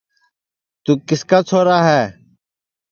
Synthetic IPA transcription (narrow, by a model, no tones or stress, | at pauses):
t̪uːkɪskaːt͡ʃʰoːɾaːɦɛː